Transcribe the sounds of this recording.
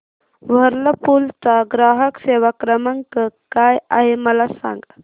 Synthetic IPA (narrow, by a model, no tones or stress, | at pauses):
ʋɐɾlɐpult̪aɡɾaːɦəkseːʋakɾɐmɐŋkəkaːja̰ɦemɐlasa̰ŋɡ